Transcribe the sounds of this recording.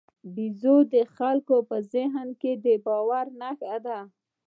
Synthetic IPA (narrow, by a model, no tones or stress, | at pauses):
bizod̪əxalkopəzɪɦnked̪əbɑwaɾnaxad̪a